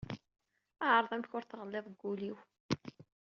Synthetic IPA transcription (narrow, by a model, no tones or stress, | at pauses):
æʕəɾˤðˤæmçʊɾθʁəlːeðˤɡːuliw